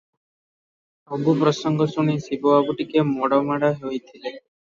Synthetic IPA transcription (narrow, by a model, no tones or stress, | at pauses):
obupɾɔsɔŋɡɔsuɽ̃isiboabuʈikemɔɽɔmaɽaɦojt̪ʰile